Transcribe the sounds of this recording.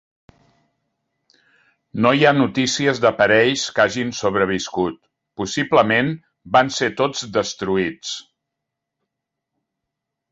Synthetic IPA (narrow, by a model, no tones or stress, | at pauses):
nojanut̪isiəzðəpəɾɛʎskaʒinsoβ̞ɾəβ̞iskut̪ | pusipləmen | banset̪od͡zd̪əst̪ɾuit͡s